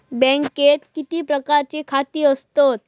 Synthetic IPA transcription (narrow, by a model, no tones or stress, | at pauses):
bɛ̃ŋket̪kit̪iːpɾəkaɾt͡ɕekʰat̪iːəst̪ot̪̚